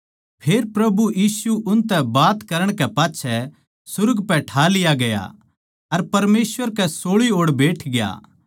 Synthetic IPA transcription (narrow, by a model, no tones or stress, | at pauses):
pʰeːɾpɾɐbujiːsuʔʊnt̪ɛ̃baːt̪kɐɾəɽ̃kɛpaːtːʃʰɛ | sʊɾɡpɛʈʰaːlɪjaɡɐja̰ | ɐɾpɐɾmeːsʋəɾkɛsoːɭioːɽbeːʈʰɡɪja̰ː